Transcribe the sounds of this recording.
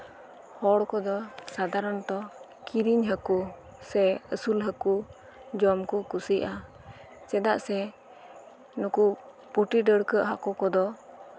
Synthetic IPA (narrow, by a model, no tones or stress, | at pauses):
hɔɽkɔd̪ɔsad̪aɾɔnt̪ɔ | kiɾiɲɦəku | sɛəsulɦəku | d͡ʒɔmkukusiʔʔa | t͡ʃɛd̪aʔsɛ | nuku | puʈiɖəɽkəʔɦakɔkɔd̪ɔ